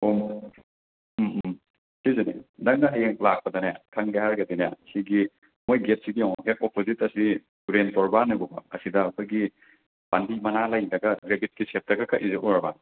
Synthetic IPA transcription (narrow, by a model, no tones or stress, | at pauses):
om | sizunḭnɐŋnɐɦɐjeŋlak̚pɐdɐnaja̰kʰɐŋɡeɦaɾɡɐdinaja̰siɡi | mojɡet̚siɡijawɦep̚opʰozitɐsi | uɾentɔɾbanɐbɔbɐ̰ɐsidɐːkʰojɡi | b̥andimɐnalajdɐɡɐɡɾebit̚kisep̚tɐɡɐkʰɐʔizeʔɔɾɐba